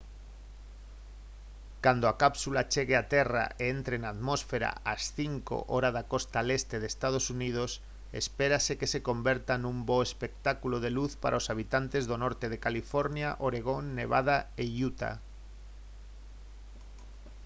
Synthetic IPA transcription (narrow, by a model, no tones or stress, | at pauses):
kand̪oakapsulat͡ʃeɣeat̪era̰eent̪ɾenaðmosfeɾa̰asθiŋko̰ʔoɾaðakost̪alest̪eðest̪að̞osunið̞os | ḛspeɾasekeseko̞mbeɾt̪anũmboespek̚t̪akuloð̞eluθpa̰ɾʔaosaβ̞it̪ant̪e̞zðonoɾt̪eðekalifoɾnjaʔoɾeɣ̞onːeβ̞a̰ð̞aeʎut̪a̰